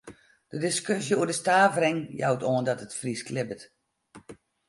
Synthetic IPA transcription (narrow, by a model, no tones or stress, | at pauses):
d̥ədɪskøsjəuədəstaːvrɪŋja̰wtoəndɔtətfrisklɪbət